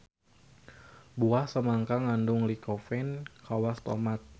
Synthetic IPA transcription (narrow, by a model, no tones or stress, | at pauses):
buahsəmaŋkaŋandʊŋlikofɛnkawast̪omat̪̚